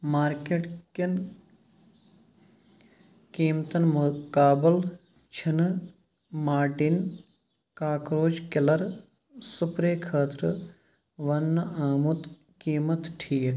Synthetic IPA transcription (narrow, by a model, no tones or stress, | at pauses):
maːɾkeʈkin | kiːmt̪ɐnmukaːbəl | t͡ʃʰin | maːʈin | kaːkɾoːd͡ʒkɪlɐɾ | supɾeːkʰəːt̪ɾə | ʋɐnːɐaːmut̪ | kiːmɐt̪ʈʰiːk